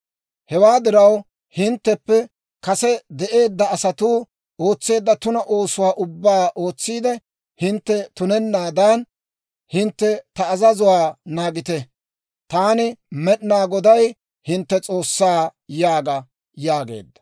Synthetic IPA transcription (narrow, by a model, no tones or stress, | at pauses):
hɛwaːd̪ɪɾɐw | hɪnt̪ːɛpːɛ | kɐsɛd̪ɛʔe̞ːd̪ːɐɐsɐt̪uː | o̞ːt͡sːe̞ːd̪ːɐt̪ʊnɐʔo̞ːsʊwaːʔʊbːaːʔo̞ːt͡sːiːd̪ɛ | hɪnt̪ːɛt̪ʊnɛnːaːd̪ɐn | hɪnt̪ːɛt̪ɐːzɐzʊwaːnaːɡɪt̪ɛ | t̪aːnɪmɛɗnaːɡɔd̪ɐj | hɪnt̪ːɛt͡sʼo̞ːsːaːjaːɡɐ | jaːɡe̞̰ːd̪ːɐ̥